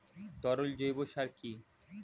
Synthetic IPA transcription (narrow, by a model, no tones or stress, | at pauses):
t̪ɔɾold͡ʑojboʃaɾki